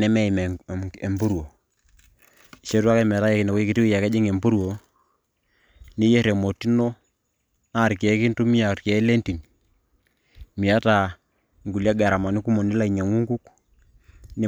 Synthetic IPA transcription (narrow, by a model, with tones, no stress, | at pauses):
nɛ˦mɛ˦i˨mɛ˨e˨mbu˦ɾwo˨ | ʃe˦twa˦kɛ˦m˨ta˦jɛ˦ki˨nɛ˨ko˦i˦ki˨ti˦wi˦ja˨kɛ˦d͡ʒi˦ŋe˨mbu˦ɾwo˨ | ni˦jɛ˦ɾɛ˨mo˨ti˦no˦ | na˦˨ɾkɛ˨˦ki˦ntu˦mi˦a˨ktkɛ˨˦lɛ˦nti˨n | mi˨a˦ta˨ | ŋɡu˨lja˦ɡa˨ɾa˨ma˨ni˦ku˦mo˨ni˦la˦i˨ɲa˨ŋu˦ŋɡu˦k | ne˦